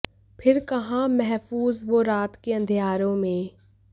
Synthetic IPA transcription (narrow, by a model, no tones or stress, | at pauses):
pʰɪɾkɐɦãmɛɦfuːzʋoɾaːt̪keɐ̃nd̪ʱijaːɾõmẽ